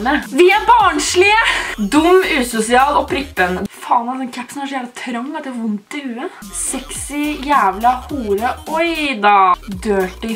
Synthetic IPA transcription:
nəʋɪæbɑːɳʂɭɪəd̪ʊmːʉːsʊsɪɑːlɔpʰɾɪpːənfɑːnɑd̪ɛnkʰæpːsn̩hɑʂjæːlɪt̪ʰɾɑŋːɑt̪ːʋʊnt̪ɪʉːən | sɛksɪjæːʋlɑhuːɾəɔjd̪ɑːd̪øːʈɪ

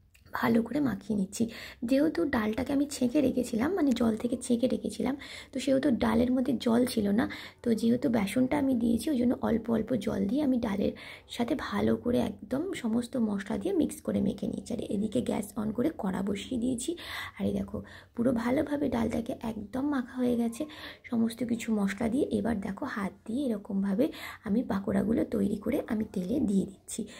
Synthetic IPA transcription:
bʱalokoɾemakʰinitːɕʰid͡ʑeɦot̪uɖalʈakeamit͡ɕʰekeɾekʰet͡ɕʰilamːaned͡ʑɔlt̪ʰeket͡ɕʰẽkeɾekʰet͡ɕʰilamt̪oʃeɦot̪oɖaleɾmod̪ʱːed͡ʑɔlt͡ɕʰilona | t̪od͡ʑeɦot̪ubɛʃonʈaamid̪ijet͡ɕʰiod͡ʑonːoʔɔlpoɔlpod͡ʑɔ̰ld̪ieamiɖalḛɾ | ʃat̪ʰebʱalokoɾeɛ̰k̚d̪omʃɔmost̪omɔʃla̰d̪ijemikskoɾemḛkʰenḭet͡ɕʰia̰ɾḛʔed̪ikeɡɛ̰sɔnkoɾekɔɽa̰boʃid̪ijet͡ɕʰiaɾed̪ɛkʰo | puɾobʱalobʱabeɖalʈakeʔɛkd̪omːakʰaɦoeɡɛt͡ɕʰeʃɔmost̪okit͡ɕʰumɔʃlad̪ieʔebaɾd̪ɛkʰohat̪̚d̪ieeɾɔkombʱabeamipakoɾa̰ɡulot̪ojɾikoɾeʔamit̪eled̪ijed̪it̪ːɕʰi

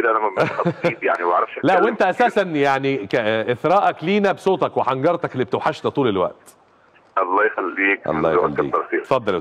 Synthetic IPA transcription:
ed̪æʔænæmæmxɑiːb̪jaʕniwʔʕɾˤɑfʃælæʔwwʔent̪æʔæsæːsænjaʕnikæʔeθɾˤɑːʔɑkliːnæbesoːt̪ˤɑkweħɑŋɡɑɾˤt̪ˤɑkelːiːb̚et̪ewħaʃlæt̪ˤuːlelwæ̰ʔt̪ | ʔɑlˤːɑːjxælːiːkʔɑ̰lːɑːjwʔælːɑḭːɑɾˤfiːfɑd̪ˤːɑl

